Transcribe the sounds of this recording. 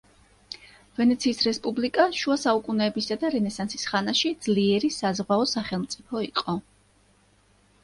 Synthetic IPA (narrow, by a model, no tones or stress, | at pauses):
vɛnɛt̪sʰiːsɾɛspʼublikʼaʃuasaukʼunɛːbisad̪aɾɛnɛsansisχanaʃid̪z̥liɛɾisazʁwaɔsaχɛlˠmt̪sʼipʰɔiqʼɔ